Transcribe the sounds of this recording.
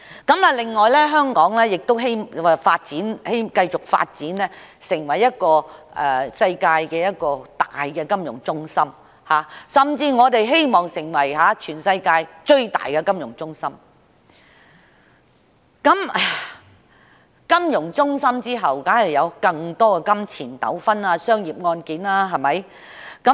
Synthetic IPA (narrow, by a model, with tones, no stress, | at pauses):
kɐ˨˥mɐ˨lɪ˨ŋːɔː˨jlɛː˥ɦœː˥ŋkɔː˨˥ŋlɛː˥jɪ˨k̚t̪o˥wɦe˥jm˨faː˧t̚t͡siː˨˥nhe˥jkɐ˧jt͡sʊ˨k̚fa̰ː˧t̚t͡siː˨˥nlɛː˥ | sɪ˨˩ŋwɐ˨˩jːɐ˥t̚kɔː˧ʔɛː˨sɐ˧jkaː˧jkɛː˧jɐ˥t̚kɔː˧t̪aː˨jkɛː˧kɐ˥mjʊ̰˨˩ŋt͡sʊ˥ŋsɐ˥m | haː˨˥sɐ˨mt͡siː˧ŋɔː˨˧t̪e˨jɦe˥jmɔː˨ŋsɪ˨˩ŋwɐ˨˩jɦaː˨˧˥t͡ʃʰyː˨˩nsɐ˧jkaː˧jt͡ʃɵ˧ɥt̪a̰ː˨˩jkɛ˧kɐ˥mjʊ˨˩ŋt͡sʊ˥ŋsɐ˥m | kɐ˨˦˥mɛ˨ | kɐ˥mjʊ˨˩ŋt͡sʊ˥ŋsɐ˥mt͡siː˥ɦɐ˨wkaː˨˥nhɐ˨˩jɐ˨˧wkɐ˧ŋt̪ɔː˥kɛ˧kɐ˥mt͡sʰiː˨˩nt̪ɐ̰˨˥wfɐ˥naː˧sœː˥ŋjiː˨˩p̚ŋɔː˧nkiː˨˥naː˥ɦɐ˨mɐ˨j | kɐ˨˥